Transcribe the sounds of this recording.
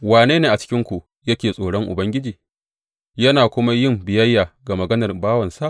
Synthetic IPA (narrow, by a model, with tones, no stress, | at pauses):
waː˨neː˦neː˦ʔa˨t͡ʃɪ̥˦kʲɪ˦ŋkʷu˨ʔ | jɐ˦kʲeː˨sʼoː˨ɽɔ˦ŋʔʊ̰˨bɐ˦ŋɡʲɪ˦d͡ʒiː˨ | jɐ˦naː˨kʷʊ˦ma˦jɪ˦˨mbɪ˨jɐ˦jːaː˨ɡa˨mɐ˨ɡɐ˦nɐ˨rbaː˦wɐ˨nsa˦ʔ